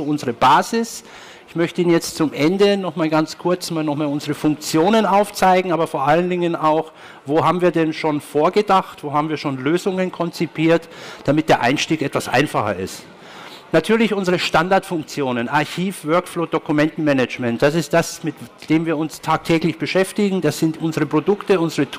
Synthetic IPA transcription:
zoːʊnzəʁəbaːzɪs | ɪçmœçtəiːnjɛt͡stt͡sʊmʔɛndənɔχmaːlɡant͡skʰʊɐt͡smaːlnɔχmaːlʊnzəʁəfʊŋk̚t͡sjoːnənaʊft͡saɪɡŋ̩aːbɐfoːɐʔaləndɪŋənaʊx | voːɦaːbm̩viːɐdɛnʃoːnfoːɐɡədaxtv̥oːhaːbm̩viːɐʃoːnløːzʊŋənkʰɔnt͡sipʰiːɐtd̥amɪt̚d̥eːɐʔa̰ɪnʃtiːkʔɛtv̥asʔa̰ɪnfaχɐ̰ɪ̰st | natʰyːɐlɪçʔʊnzəʁəʃtandaɐtfʊŋk̚t͡sjoːnənʔaɐçiːfvœɐkfloːdokumɛntn̩mɛnɛt͡ʃmɛnt̚d̥asɪstd̥asmɪtd̥eːmviːɐʊnstʰaːk̚tʰɛːklɪçb̥əʃɛftɪɡŋ̩d̥asz̥ɪntʔʊnzəʁəpʁ̥odʊktəʊnzəʁə

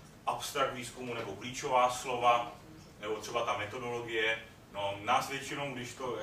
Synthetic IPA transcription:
ʔapst̪ɾak̚t̪viːskumunɛbokliːt͡ʃo̞vaːslo̞va | nɛbo̞t̪r̥ɛbat̪amɛt̪o̞do̞lo̞ɡɪjɛ | no̞naːsvjɛt͡ʃɪno̞wɡdɪʃt̪o

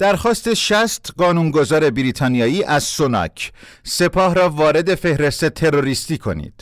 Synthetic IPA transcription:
d̪̥æɾxɒːst̪e̞ʃæst̪ɢɒːnuːnɡo̞zɒːɾe̞biɾiːt̪ʰɒːnijɒːiːʔæzsonɒ̰ːcʰ | se̞pʰɒːhɾɒːvɒːɾe̞d̪e̞fe̞hɾe̞st̪e̞t̪ʰe̞ɾo̞ɾist̪iːkʰo̞̰nḭːd̪̥

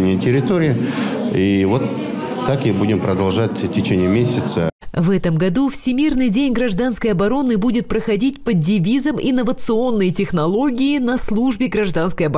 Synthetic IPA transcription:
nʲɪjətʲɪɾʲɪt̪oɾʲɪɪivot̪ː | akɪbudʲɪmpɾəd̪ɐlˠʐatʲtʲɪt͡ɕenʲɪjəmʲesʲɪt̪səvɛt̪əmɡɐd̪ufsʲɪmʲirnɨjdʲenʲɡɾɐʐd̪anskəjɐbɐɾo̞nːɨbudʲɪt̪̚pɾəxɐdʲitʲpədʲɪvʲizəmɪ̰nːəvət̪sɨo̞nːəjtʲɪxnɐlˠo̞ɡʲɪɪnɐslˠuʐbʲɪɡɾɐʐd̪anskəjɐb

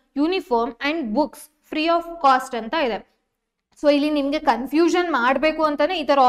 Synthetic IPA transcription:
juːnifoːɾmɛɳɖbuks | fɾiːaːfkaːsʈɐnt̪ɐid̪e̞ | soːilːinimɐɡe̞kɐnfjuːʃɐnmaːɽbe̞ːkuɐnt̪ɐneit̪ɐɾɐ

